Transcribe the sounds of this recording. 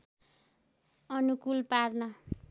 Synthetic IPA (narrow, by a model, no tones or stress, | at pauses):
ʌnukulparnʌ